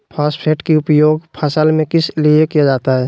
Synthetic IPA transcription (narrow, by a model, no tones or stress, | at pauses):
pʰaːspʰeːʈkiʊpjoːɡpʰaːsəlmẽkɪsliekijad͡ʒaːt̪aɦɛː